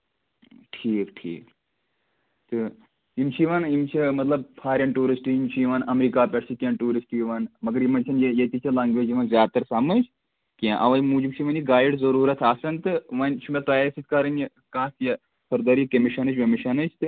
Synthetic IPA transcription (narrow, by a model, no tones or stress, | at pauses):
ʈʰiːkʈʰḭːk | t̪ɨ | imt͡ʃʰiiʋɐnimt͡ʃʰimɐt̪lɐb̚pʰaːɾʲɐnʈuːɾisʈiimt͡ʃʰijiʋɐnɐmɾiːkaːpʲɐʈsʰikʲɐ̃ːnʈuːɾisʈijiʋɐnmɐɡɐɾjimɐnʲt͡ʃʰɐnjejɐt̪it͡ʃʰɐlaːŋɡʋeːd͡ʒiʋɐnzʲjaːt̪ɐɾsɐmɨt͡ʃ | kʲãʔɐʋɐjmuːd͡ʒimt͡ʃʰiiʋɐniɡaːjɖzɐɾuːɾɐt̪ʰaːsɐnt̪ɨʋɐnʲt͡ʃʰumʲet̪ɐːjesit̪̚ʲkɐɾɐnji | kaːsjɐ | sʰɐɾd̪ɐɾikɐmiʃɐnɨt͡ʃʋɐmiʃɐnɨt͡ʃʰt̪ɨ